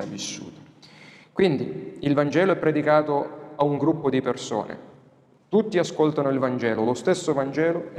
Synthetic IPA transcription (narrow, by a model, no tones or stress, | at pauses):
avːisːṵːt̪ḁ | kwind̪iilvand͡ʒɛːloɛpːɾɛd̪ikaːt̪oauŋɡɾupːod̪iperso̰ːnḛ | t̪ut̪ːiaskolt̪anoilvand͡ʒɛːlolost̪esːovand͡ʒɛːlo